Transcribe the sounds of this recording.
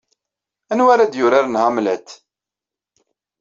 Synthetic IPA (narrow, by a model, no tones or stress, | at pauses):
ænwæɾæd̪jʊɾaɾnhamlæt̪